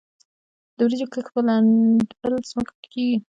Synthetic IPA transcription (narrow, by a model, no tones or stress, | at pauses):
d̪̥əwɾizokəxpəlabəlzməkap̪keɡi